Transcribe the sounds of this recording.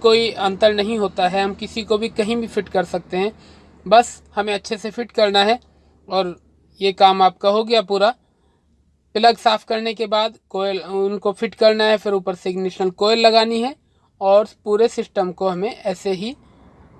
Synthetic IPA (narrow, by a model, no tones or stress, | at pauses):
koːiɐ̃nt̪əɾnɐɦĩɦoːt̪aɦɛɦɐmkɪsikobʱikɐɦĩbʱifʰɪʈkɐɾsɐk̚t̪eɦɛ̃ː | bɐshɐmẽɐtːʃʰesefʰɪʈkɐɾnaɦɛ | ɔːɾ | jekaːmaːp̚kaɦoɡjapuːɾa | pɪləɡsaːpʰkɐɾnekebaːd̪koːlʊnkofʰɪʈkɐɾnaɦɛfɪɾuːpəɾsɪɡnɪʃnəlkoːelːɐɡaːniɦɛ | ɔːɾpuːɾesɪsʈəmkoɦɐmẽʔɛːseɦi